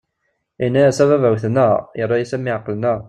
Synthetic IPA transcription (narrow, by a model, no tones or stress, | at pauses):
inːæjæsævævæwθnəʁjəɾˤːɑjisæmiʕəqːəlnəʁ